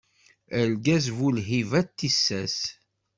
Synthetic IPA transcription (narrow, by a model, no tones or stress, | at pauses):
əlɡæzvulɦivæt̪ːisːæs